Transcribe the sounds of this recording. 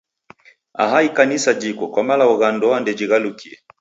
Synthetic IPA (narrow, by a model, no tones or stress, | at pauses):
a̰ɦaikanisad͡ʒikɔkwamalauɣandɔandɛd͡ʒiɣalukʰiɛ